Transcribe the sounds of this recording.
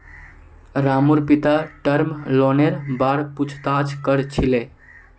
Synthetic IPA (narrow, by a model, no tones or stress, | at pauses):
ɾamuɾpit̪aʈəɾmlɔneɾbaɾput͡ʃʰt̪at͡ʃʰkəɾt͡ʃʰile